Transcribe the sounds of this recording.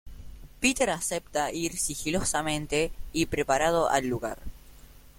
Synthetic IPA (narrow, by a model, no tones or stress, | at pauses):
pit̪eɾasep̚t̪aiɾsixilosamẽ̞nt̪e̞ipɾe̞paɾað̞o̞ʔa̰lːuɣa̰ɾ